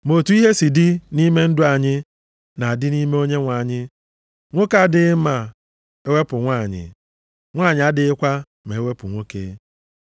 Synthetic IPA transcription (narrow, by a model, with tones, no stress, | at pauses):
mo˨tu˨˦i˦ɦe˦si˨dɪ˦ni˦me˦n̩˦dʊ˦a˨ɲɪ˦ | na˨dɪ˦ni˦me˦o˦ɲe˦ŋʷa˨ɲɪ˦ | ŋʷo˦ka˦dɪ˦ma˨ | e˦we˦pʊ˨ŋʷaː˦˨ɲɪ̰˨ | ŋʷaː˦˨ɲɪ˨a˦dɪ˨ɪ˦kʷa˦ | me˨e˦we˦pʊ˨ŋʷo˦kḛː˦